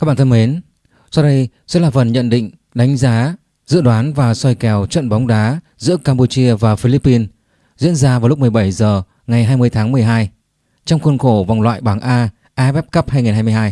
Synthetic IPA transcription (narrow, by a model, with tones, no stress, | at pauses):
a˦˥ɓaː˧˩˨ə˧me˨˦n | sɔ˧wɗə˧j | sɛ̰˧˥laː˨˩fə˨˩nɲə̰˧˨nɗḭ̈˧˨ŋ̟ | ɗa˨˦jŋ̟zaː˨˦ | zɨ̰˧˨ɗwaː˨˦nvaː˨˩sɔ˧jkɛ˨˩wt͡ɕə̰˧˨nɓa˨˦wŋ͡mɗaː˨˦ | zɨ̰˧˥əkaː˧mpu˧t͡ɕi˧əvaː˨˩fi˧li˦˥pːi˧n | zḭ˧˥ənzaː˧va˨˩wl̚mɨ˨˩əjɓə˧˩jzəː˨˩ | ŋa˨˩jɦaː˧jmɨ˧əjt̪ʰaː˨˦ŋmɨ˨˩əjɦaː˧j | t͡ɕɔ˧wŋ͡mxwə˧nxo˧˩va˨˩ŋ͡mlwa̰ː˧˨jɓaː˧˩ŋʔaː˧ | ʔaː˨˧vɛ˦˥p̚kə˦˥p̚haː˧jŋi˨˩nɦaː˧jm˧jhaː˧j